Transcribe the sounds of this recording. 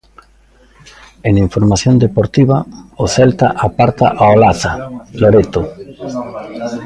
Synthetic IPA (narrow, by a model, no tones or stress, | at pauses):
eniɱfoɾmaθjond̪epoɾt̪iβaoθɛlt̪a̰ʔapaɾt̪a̰ʔaolaθaloɾet̪ʊ